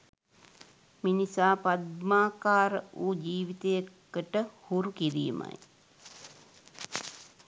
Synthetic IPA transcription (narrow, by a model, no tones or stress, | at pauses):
minisaːpad̪maːkaːɾəuːd͡ʒiːʋit̪ejəkː | əʈəhuɾukiɾḭːma̰j